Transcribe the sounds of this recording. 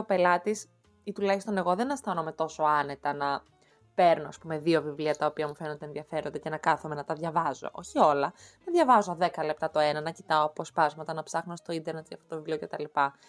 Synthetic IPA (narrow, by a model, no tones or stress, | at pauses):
ope̞lɐt̪is | it̪ulɐçist̪o̞neɣo̞ðenɐst̪ɐnome̞t̪o̞so̞ɐne̞t̪ɐnɐ | pe̞ɾnoɐspume̞ðiovivliɐt̪ɐopiɐmufe̞nond̪enðiɐfe̞ɾo̞nd̪ece̞nɐkɐθume̞nɐt̪ɐðʝɐvɐzo̞̰ʔo̞çio̞lɐnɐðʝɐvɐzoðe̞kɐle̞p̚t̪ɐt̪o̞enɐnɐcit̪ɐoɐpo̞spɐzmɐt̪ɐnɐpsɐxnost̪oind̪e̞ɾnet̪iɐ̰ft̪ot̪ovivlio̞ce̞t̪ɐlipɐ